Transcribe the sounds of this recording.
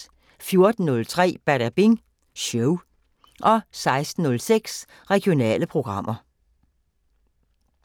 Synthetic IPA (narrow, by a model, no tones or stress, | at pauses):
fjo̝ɐd̥n̩ːɔ̽lt͡sʰʁɛ̰ːb̥æɾæb̥iŋ | ɕœʊ | ʔɒ̽sɑ̈ɪsd̥n̩ːɔ̽lseɡ̥s | ʁɛɡ̥ijo̝nɛ̰ːləpʰʁo̝ɡ̥ʁɑ̈m̰ʔɐ